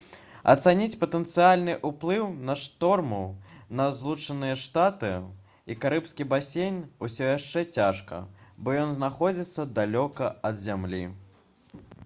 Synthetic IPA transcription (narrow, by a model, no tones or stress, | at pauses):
ɐ̰t̪sanʲit͡sʲpɐt̪ɛnt̪sɨalʲnɨʔuplˠɨwnɐʂt̪ɔrmɐwnɐzlˠut͡ʂɐnɨjɐʂt̪at̪ɨ | ikaɾɨpskʲibasʲenʲusʲɔjaʂt͡ʂɛt͡sʲaʂkɐ̰bɔjɔnznaxɔd͡zʲit̪sːɐd̪alʲɔkɐɐd̪zʲamlʲi